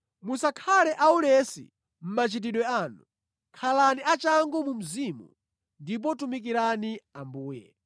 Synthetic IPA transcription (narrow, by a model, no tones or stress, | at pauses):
musakʰalɛʔaulɛsḭ | m̩mat͡ʃit̬iɗwɛanu | kʰalaniat͡ʃaŋɡɔmum̩zimṵ | ndip̬ɔtumik̬iɾaniambuːjɛ̰